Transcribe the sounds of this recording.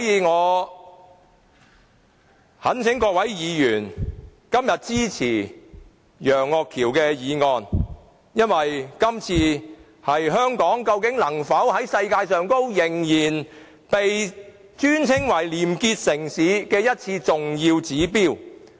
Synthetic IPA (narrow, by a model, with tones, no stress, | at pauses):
jiː˨˧ŋɔː˨˧ | hɐ˨˥nt͡sʰɪ˨˥ŋkɔː˧k̚wɐ˨˥jjiː˨˧jyː˨˩n | kɐ˥mjɐ˨t̚t͡siː˥t͡sʰiː˨˩ | jœː˨˩ŋːɔː˨˧kʰiː˨˩wkɛː˧jiː˨˧ŋɔː˧n | jɐ˥nwɐ˨jkɐ˥mt͡sʰiː˧ | hɐ˨jɦœː˥ŋkɔː˨˥ŋkɐ˧wkɪ˨˥ŋlɐ˨˩ŋfɐ˨˥whɐ˨˥jsɐ˧jkaː˧jsœː˨ŋko˥wjɪ˨˩ŋjiː˨˩n | pe˨j | t͡ʃyː˥nt͡sʰɪ˥ŋwɐ˨˩jliː˨˩mkiː˧t̚sɪ˨˩ŋsiː˨˥kɛː˧jɐ˥t̚t͡sʰiː˧t͡sʊ˨ŋjiː˧wt͡siː˨˥piː˥˩w